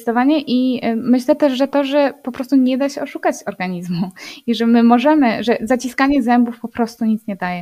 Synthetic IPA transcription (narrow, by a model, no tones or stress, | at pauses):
st̪ɔvaɲɛʔimɘɕlɛt̪ɛʂʐɛt̪ɔʐɛpɔpɾɔst̪uɲɛd̪aɕɛɔʂukat͡ɕɔɾɡaɲizmuiʐɛmɘmɔʐɛmɘʐɛzat͡ɕiskaɲɛzɛmbufpɔpɾɔst̪uɲit̪sɲɛd̪ajɛ